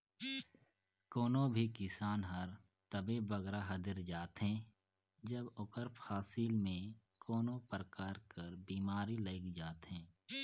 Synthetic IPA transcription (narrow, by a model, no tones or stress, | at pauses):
koːnõbʱikɪsaːnɦəɾ | t̪əbeːbʋəɡɾaɦɐd̪ɪɾd͡ʒaːt̪ɦɛ̃ː | d͡ʒəbʊkəɾpʰaːsiːlmẽ | koːnõpəɾkaːɾkəɾbiːmaːɾiləɪkd͡ʒaːt̪ɦɛ̃ː